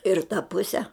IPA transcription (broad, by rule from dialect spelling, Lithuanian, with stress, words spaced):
ɪr tɐ ˈpʊsʲɛ